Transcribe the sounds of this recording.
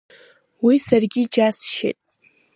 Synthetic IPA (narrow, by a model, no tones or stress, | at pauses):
wisarɡʲid͡ʒasʃḛtʼ